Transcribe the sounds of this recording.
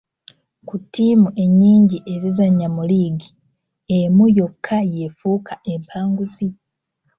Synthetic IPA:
kutʰːiːmuʔe̞ɲːiːɲɟiʔe̞zizaɲːamuliːɡi | emujo̞kʰːajefuːkʰaʔe̞mpʰaːŋɡusi

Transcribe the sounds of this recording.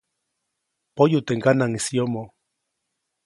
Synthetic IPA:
pojut̪eŋɡanaŋisiomo

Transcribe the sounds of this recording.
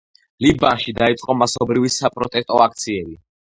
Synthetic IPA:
libanʃid̪ait̪sʼqʼɔmasɔbɾivisapʼɾɔt̪ʼɛst̪ʼɔakʰt̪sʰiɛbi

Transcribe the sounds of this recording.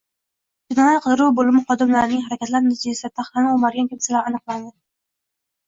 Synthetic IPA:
d͡ʒ̪ɪnɒjat̪qʰɨd̪ɪɾuwbolɪmɪχɒd̪ɪmlaɾɪnɪŋɦaɾakʲʰat̪laɾnɪzijast̪ʰaχlanɪomaɾɡʲankʲʰemsalaɾanɨqlˠand̪ɪ

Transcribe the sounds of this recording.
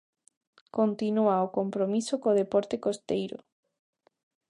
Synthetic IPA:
kont̪inuaokompɾomisokoðepɔɾt̪ekost̪ejɾʊ̰

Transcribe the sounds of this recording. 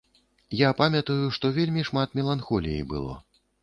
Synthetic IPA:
japamʲɐt̪ɐjuʂt̪ɔvʲelʲmʲiʂmat̪mʲɛlˠanxɔlʲḭjḭbɨ̰lˠɔ̰

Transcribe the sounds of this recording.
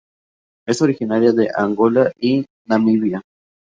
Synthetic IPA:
esoɾixinaɾjad̪eʔaŋɡolaʔi | nãmiβia

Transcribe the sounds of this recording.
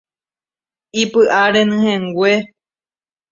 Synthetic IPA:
ipɨʔaɾẽnɨ̃hẽŋɡʷe

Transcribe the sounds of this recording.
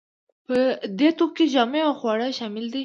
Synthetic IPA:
pəd̪et̪op̚ked͡ʒɑmeaxwɑɽaʃɑmɪld̪i

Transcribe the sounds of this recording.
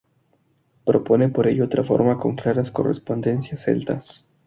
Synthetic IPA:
pɾo̞po̞nepo̞ɾeʝoot̪ɾafo̞̰ɾmako̞ŋklaɾasko̞̰rḛspo̞nd̪e̞nsjasḛlt̪as

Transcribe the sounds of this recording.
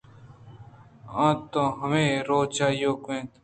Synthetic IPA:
ãːt̪õːɦəmẽːɾoːt͡ʃaːijoːkẽːt̪

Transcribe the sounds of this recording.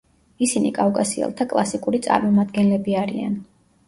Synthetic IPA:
isinḭkʼafkʼasiɛ̰lˠt̪ʰakʼlˠasikʼuɾit̪sʼa̰ɾmɔmad̪ɡɛnlɛbiaɾḭa̰n

